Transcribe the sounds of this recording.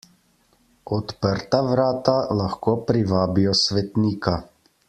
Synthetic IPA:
ɔt̪pəɾt̪aʋɾaːt̪alaxkoːpɾiʋaːbijɔsʋɛt̪niːka

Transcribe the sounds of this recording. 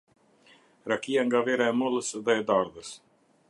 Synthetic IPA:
ɾakijaŋɡavɛɾaɛmɔlˠəsðɛːd̪aɾðəs

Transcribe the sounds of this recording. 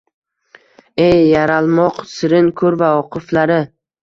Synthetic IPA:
ejːaɾalˠmɒqsɪɾɪnkʰɵɾvaɒqʰɨflaɾɪ

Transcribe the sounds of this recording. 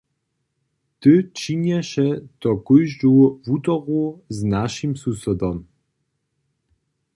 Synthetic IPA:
t̪ɨt͡ʃiɲɛʃɛt̪ɔkujʒd͡ʒuvut̪ɔɣuznaʃimsusɔd̪ɔm

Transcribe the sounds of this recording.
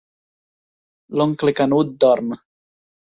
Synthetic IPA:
lɔŋklekanud̪̚d̪ɔɾm

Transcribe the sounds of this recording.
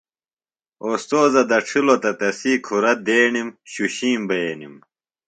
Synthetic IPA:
oːst̪oːzɐd̪ɐʈ͡ʂʰilot̪ɐt̪ɐsiːkʰuɾɐd̪eːɳimɕuɕiːmbeːnim

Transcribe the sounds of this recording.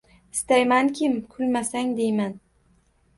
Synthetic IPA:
ɪst̪ajmankʲʰɪmkʰʊlmasaŋd̪ejman

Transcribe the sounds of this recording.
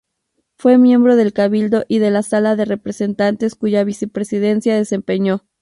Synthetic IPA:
fwe̞mje̞mbɾo̞ð̞e̞lkaβild̪o̞ʔiðe̞lasalaðe̞re̞pɾese̞nt̪ant̪e̞skuʝaβise̞pɾesiðe̞nsjaðe̞se̞mpe̞ɲo̞

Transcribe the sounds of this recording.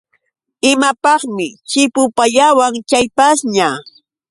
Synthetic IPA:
ɪmapɑχmɪt͡ʃɪpʊpaʎawaŋt͡ʃajpasɲa

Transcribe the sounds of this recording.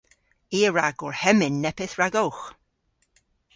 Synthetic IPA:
iːəɹaɡʊɹhɛmɪnːɛpɪθɹaɡowx

